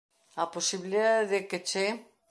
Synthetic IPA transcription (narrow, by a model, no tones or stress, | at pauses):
aposiβiliðaððeket͡ʃe